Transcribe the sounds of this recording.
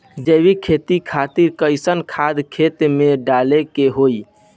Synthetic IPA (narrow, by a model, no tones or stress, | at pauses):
d͡ʒəbikʰet̪ikʰat̪iɾkəɪsənkʰad̪kʰet̪meɖalekeɦoj